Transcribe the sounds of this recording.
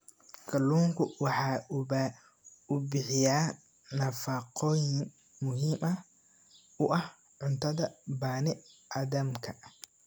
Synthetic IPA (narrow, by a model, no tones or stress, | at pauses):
kʰɐlːuːŋkʰʊwɑħɑːʊba | ʊbɪħɪjaː | nɐfɑqɔːjɪŋ | mʊɦiːmʔɐ | ʊʔɐh | ʕʊnt̪ʰɐðɐbaːnɪaːðɐmkʰɐ